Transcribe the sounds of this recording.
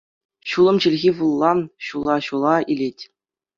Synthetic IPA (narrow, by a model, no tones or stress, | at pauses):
ɕulˠɤ̆mt͡ɕɘ̆lʲɣʲiʋulˠːɑnɕulˠɑɕulˠɑilʲetʲ